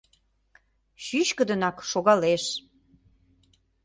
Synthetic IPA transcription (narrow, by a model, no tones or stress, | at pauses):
ɕyɕkə̆d̪ənɑkʃoɣɑleʃ